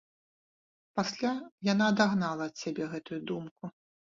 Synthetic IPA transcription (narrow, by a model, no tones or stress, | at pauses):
pasʲlʲajanaːd̪aɣnalˠɐːt̪sʲabʲɛɣɛt̪ujud̪umku